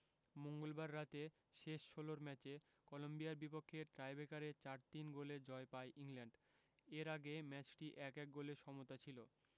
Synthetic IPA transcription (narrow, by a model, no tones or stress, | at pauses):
moŋɡolbaɾːat̪e | ʃeʃʃoloɾmɛt͡ɕe | kɔlombijaɾbipokʰːeʈɾajbekaɾet͡ɕaɾt̪inɡoled͡ʑɔepaeʔiŋlɛɳɖ | eɾaɡemɛt͡ɕʈiʔɛkɛk̚ɡoleʃɔmot̪at͡ɕʰilo